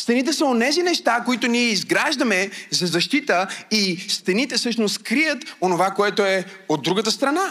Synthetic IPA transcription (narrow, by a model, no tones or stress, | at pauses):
st̪ɛnit̪ɛsəonɛzinɛʃt̪akoit̪ʊniɛizɡɾaʒd̪ɐmɛzɐzɐʃt̪it̪əist̪ɛnit̪ɛsɤʃnost̪kɾijət̪onovakoɛt̪oɛod̪ːɾuɡət̪əst̪ɾɐna